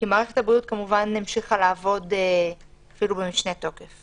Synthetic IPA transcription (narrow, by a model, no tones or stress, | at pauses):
kimaːʁeχethabʁiut̪̚kamuvanːimʃiχalaːvo̞deafilubemiʃne̞to̞kef